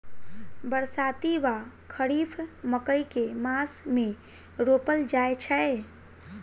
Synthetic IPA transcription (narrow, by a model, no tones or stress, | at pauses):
bəɾsat̪iba | kʰəɾipʰməkəjkemasme | ɾopəld͡ʒaet͡ʃʰə